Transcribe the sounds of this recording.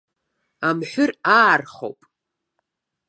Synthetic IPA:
amħʷᶣʊraːrχo̰wpʼ

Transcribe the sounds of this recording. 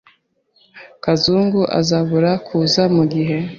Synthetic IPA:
kazuːŋɡuʔa̰zaβuɾakʰuːzamuɡiɦe̞

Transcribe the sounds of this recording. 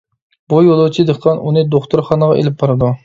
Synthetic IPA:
bujolˠut͡ʃʰid̪əχqʰɑnʔunɨd̪oχt̪ʰʊɾχɑnəʁɑ̰ʔḛlɪp̚bɑɾɨd̪u

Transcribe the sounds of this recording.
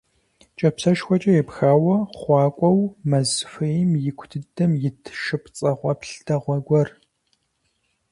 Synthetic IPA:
t͡ʃʼɐpsɐʃxʷɔt͡ʃʼɐjɛpxaːwɐχʷɑːkʷʼɔwmɐzfɐjɪmjɪkʷʰtʰɨdɐmjɪtʰʃɨpt͡sʼɐʁʷɔpɬtʰɐʁʷɔɡʷɔr

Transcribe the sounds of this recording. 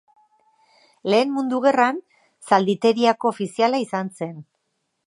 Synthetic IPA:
le̞ːnmund̪uɣ̞e̞ran | sald̪it̪e̞ɾiako̞ːfisialaisanse̞n

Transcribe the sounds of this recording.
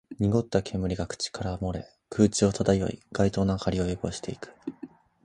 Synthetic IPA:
ɲ̟iɡo̞t̪ːakʰẽ̞mːɯ̟ɾʲiɡakɯ̟̥t͡ɕi̥kʰaɾamo̞ɾe̞̰ | kʰɯ̟ːt͡ɕio̞t̪ad̪ajo̞̰ḭɡ̥ait̪o̞ːnakaɾʲio̞joko̞̰ɕi̥t̪e̞ikɯ̥

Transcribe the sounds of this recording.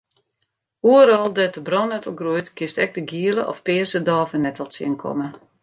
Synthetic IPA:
uəɾɔlˠdɛtəbrɔnɛtəlˠɡrujtkʰɪstɛk̚dəɡiələʔɔ̰fpɪːsədɔːvənɛtʋɔlˠsḭənkʰɔ̰mə

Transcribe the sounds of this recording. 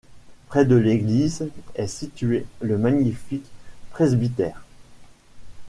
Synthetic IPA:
pχɛd̪əleɡlizɛsit̪ɥeləmaɲifikpχezbit̪ɛːʁ

